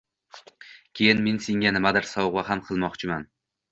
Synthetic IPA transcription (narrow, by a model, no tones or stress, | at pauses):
kʲʰejɪnme̞nseŋʲanɪmad̪ɪɾsɒwʁaɦamqʰɨlˠmɒqt͡ʃʰɪman